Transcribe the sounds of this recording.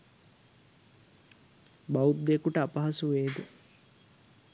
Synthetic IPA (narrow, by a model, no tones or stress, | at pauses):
baud̪d̪ekuʈəapɐɦasuʋeːd̪u